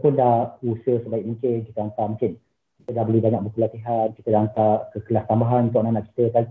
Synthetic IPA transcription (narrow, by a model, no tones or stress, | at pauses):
pʊndahusəhsəbaik̚muŋkɪnki̥t̪əant̪amũŋkɪn | kit̪ədahbəlibaɲak̚bəpəlat̪iɦanki̥t̪ədaant̪akəkəlast̪ambaɦanunt̪ʊʔ̚nanaʔki̥t̪əkali